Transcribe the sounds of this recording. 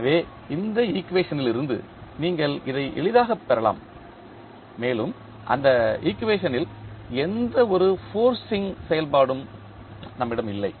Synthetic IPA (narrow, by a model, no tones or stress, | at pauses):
ɐʋeː | ɪnd̪ɐiːkːʋeːʂɐnɪlɪɾɯnd̪ɯ̰ | niːŋɡɐɭɪðɐɪʔɛ̰ɭɪðaːɣɐpːɛɾɐla̰ːm | eːlɯm | ʔɐ̰nd̪ɐiːkːʋeːʂɐnɪlɛnd̪ɐɔɾɯfoːɾsɪŋsɛjɐlpaːɽɯm | nɐmːɪɽɐmɪlːɐɪ